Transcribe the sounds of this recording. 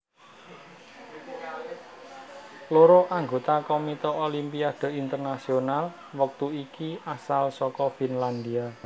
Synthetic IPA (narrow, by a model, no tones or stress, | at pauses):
loɾɔʔaŋɡot̪akomit̪ɔolimpiad̪̥e̤ʔint̪ərnasional | wək̚t̪uikiʔasalsɔkɔfinland̪ia